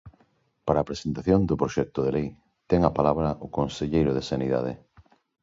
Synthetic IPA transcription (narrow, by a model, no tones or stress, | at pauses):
paɾaːpɾesent̪aθjond̪ʊpɾoʃɛk̚t̪ʊðelej | t̪ɛŋapalaβɾɐʔʊkonseʎejɾʊðesaniða̰ðḛ